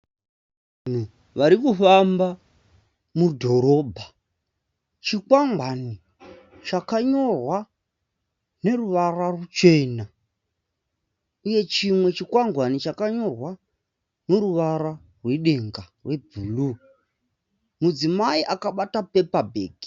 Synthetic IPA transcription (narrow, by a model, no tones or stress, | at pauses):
n̤u | ʋaɾikufamba | mudʱo̞ɾo̞ːbʱa | t͡ʃikwaŋɡwani | t͡ʃakaɲo̞rwa | ne̞ruʋararut͡ʃe̞ːna | uje̞t͡ʃimwe̞t͡ʃikwaŋɡwanit͡ʃakaɲo̞rwa | noɾuʋaɾa | rweɗe̞ŋɡarwe̞bʱuːlu | mud͡zimaiʔakaɓatape̞pabʱḛːɡi̥